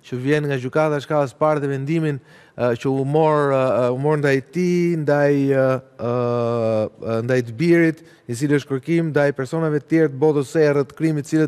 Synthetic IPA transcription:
t͡ʃəvjɛnŋɡad͡ʑykat̪aʃkaəspaɾðɛvɛnd̪imin | t͡ʃəumɔɾumɔɾnd̪ajt̪ind̪aj | nd̪ajt̪əbiɾit̪ | it͡siliəʃt̪kəɾkimnd̪ajpɛɾsɔnavɛt̪ət̪jɛɾt̪əbɔðəsɛrət̪ə̥kɾimit̪ət͡silət̪

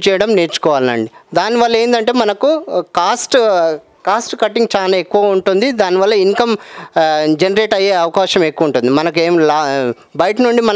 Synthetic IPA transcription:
t͡ʃɛːjɐɽɐmneːɾt͡ʃu̥kɔːʋaːlinɐ̰ɳɖid̪aːnːiʋɐlːɐe̞ːnd̪ɐɳʈe̞ːmɐnɐkukaːsʈ | kaːsʈkɐʈːiŋɡt͡ʃaːlaːe̞kːuʋaːuɳʈund̪id̪aːniʋɐlːɐiŋkɐm | d͡ʒenɐɾe̞ːʈɐjeːɐʋɐkaːʃɐme̞kːuʋɐuɳʈund̪imɐnɐk̬eːmlaː | bɐjʈnuɳɖimɐn

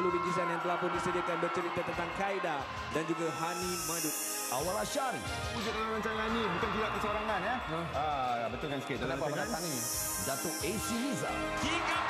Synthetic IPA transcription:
lubiɲd͡ʒisanjaŋt̪əlahpʊndisədiakanbərt͡ʃəɾit̪at̪ənt̪aŋkaida | dand͡ʒuɡaɦanĩmãdʊk̚ | awalaʃaɾḭ | ud͡ʒʊt̪̚dalamɾanɲt͡ʃaãnnĩbukank̪idak̚kisəoɾaŋãnɛ | abət̪ulkansə̥kɪt̪̚d̪ədapaalasaŋini | dat̪ʊʔesiliza̰ | kika

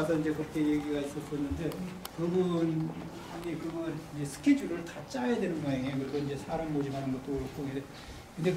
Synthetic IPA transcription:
asʰʌind͡ʑe̞kɯk͈ʰe̞jeɡiɡais͈ʌs͈ʌnːɯnde̞kɯbubun | aɡekɯɡʌɾind͡ʑe̞sʰɯ̥kʰed͡ʑuɾɯɭtat͡ɕ͈ajadwenɯnbʌɲaŋejokɯɾiɡoind͡ʑe̞sʰaɾaŋmod͡ʑimanɯnɡʌt͈oɾok͈ʰoɡide | kɯnde

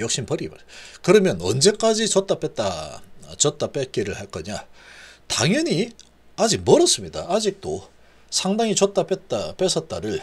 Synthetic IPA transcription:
jʌk̚ɕ͈inpʌɾiba̰kɯɾʌmjʌnʌ̰nd͡ʑe̞k͈ad͡ʑit͡ɕʌt͈̚ap͈et͈at͡ɕʌt͈ap͈et̚k͈iɾɯɭhaɭk͈ʌɲata̰ŋjʌɲi | ad͡ʑiɡ̚mʌɾʌs͈ɯmɲidaad͡ʑik̚t͈o | sʰaŋdaŋit͡ɕʌt̚t͈ap͈et̚t͈ap͈esʰʌt̚t͈aɾɯɭ

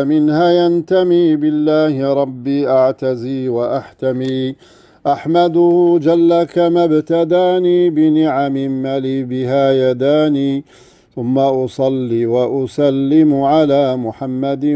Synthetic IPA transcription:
mɪnhaːjant̪amiːbɪlːaːhɪɾˤɑbːiːʔaʕt̪aziːwaʔaħt̪amiː | ʔaħmad̪ʊhd͡ʒalːakamabt̪ad̪aːniːbɪnɪʕamɪmːaliːbɪɦaːjad̪aːniː | θʊmːaʔʊsˤɑlːiːwaʔʊsalːɪmʊʕalaːmʊħamːad̪

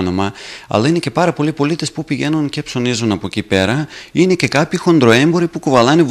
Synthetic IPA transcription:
no̞mɐɐ̰lɐine̞ce̞pɐɾɐpo̞lipo̞lit̪e̞spupiʝe̞nunce̞pso̞nizunɐpocipe̞ɾɐine̞ce̞kɐpçixo̞nd̪ɾo̞e̞mbo̞ɾipukovɐlɐnev

